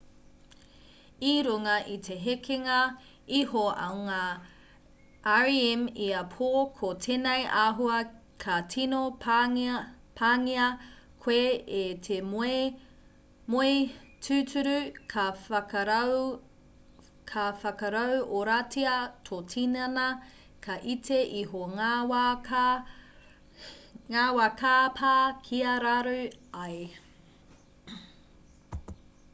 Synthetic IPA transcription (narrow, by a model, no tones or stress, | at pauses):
iɾuŋɐʔitʰeɦekʰeŋɐ | ihoɐ̰wŋaː | ʔaɹiimiɐpʰoːkʰotʰenɐjʔaːɦuɐ | kʰɐtʰino | pʰaːŋiɐkʰweetʰeme | moetʰʉtʰʉɾʉkʰɐɾ | kʰɐfɐkɐɾɐwʔoɾatʰiɐtʰotʰinɐnɐ | kʰɐʔitʰeʔiɦoŋawa | ŋaːwakʰapʰakʰiɐɾaɾʉɐj